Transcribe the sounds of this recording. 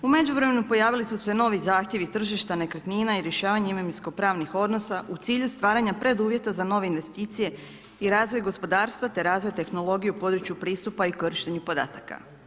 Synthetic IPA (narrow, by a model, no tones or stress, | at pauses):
ume̞d͡ʑuʋɾeme̞nupo̞jaːʋilisusʋeno̞ʋizaːxt̪ʲje̞ʋit̪r̩ʒiʃt̪ane̞kɾet̪niːnaiɾje̞ʃaːʋaɲeimemsko̞pɾaːʋnixo̞d̪no̞saʔut̪siːʎust̪ʋaːɾaɲapɾe̞d̪uːʋje̞t̪azano̞ʋeinʋe̞st̪iːt̪sije̞ | iɾaːzʋo̞jɡo̞spo̞d̪aːɾst̪ʋat̪e̞ɾaːzʋo̞jt̪e̞xno̞lˠo̞ɡijupo̞d̪ɾut͡ɕjupɾiːst̪upaikoɾiʃt̪eɲupo̞d̪a̰ːt̪aka̰